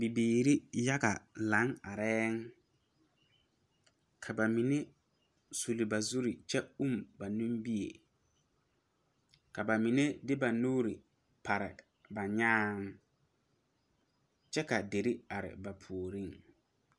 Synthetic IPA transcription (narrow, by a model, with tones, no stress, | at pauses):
bi˨biː˨ɾi˦ja˦ɡa˨la˨˦ŋa˨ɾɛː˦ŋ | kʰa˨ba˨mi˨ne˦ | su˨li˨ba˨zu˦ɾi˨t͡ʃɛ˦u˦˨mba˨nũ˦mbi˦ḛ˨ | ka˨ba˨mi˨ne˦dɪ˦ba˨nuː˦ɾi˨ | pʰa˨ɾɪ̰˨ | ba˨ɲaː˦ŋ | t͡ʃɛ˦ka˨de˨ɾi˦a˨ɾɪ̰˨ba˨pʰu˨o˨ɾi˦ŋ